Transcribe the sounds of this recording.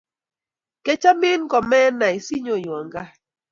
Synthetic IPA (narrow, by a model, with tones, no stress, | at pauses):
kɛ˦t͡ʃa˦mɪ˦nkɔ˨mɛ˦na˨i˨si˦ɲo˨jwa˨ŋɡa˦